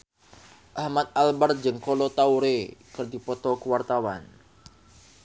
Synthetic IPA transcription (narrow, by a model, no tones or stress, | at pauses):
ʔahmat̪̚albart̪̚d͡ʒɨŋkɔlɔt̪auɾekərd̪ipɔt̪ɔkəwart̪awan